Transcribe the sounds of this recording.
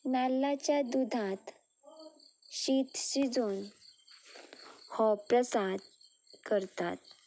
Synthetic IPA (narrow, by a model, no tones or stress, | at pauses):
nalːat͡ɕjad̪ud̪ʱãt̪ | ɕit̪ɕid͡zon | hɔpɾəsad̪ | kəɾt̪a̰t̪̚